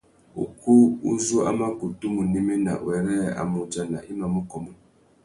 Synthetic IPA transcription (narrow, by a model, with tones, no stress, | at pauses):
ṵ˨ku˦u˦zu˦a̰˦ma˦ku˨tu˦mu˨ni˦me˦na̰˨wɛ˨ɾɛ˦a̰˨mu˨d͡ʒa˦na̰˨ʔi˦ma˨mu˦kɔ˨mɔ˦